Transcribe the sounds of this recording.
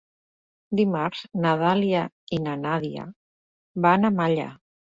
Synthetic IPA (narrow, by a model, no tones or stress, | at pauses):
d̪imaɾznaðalia | inanaðia̰ | βanamaʎa̰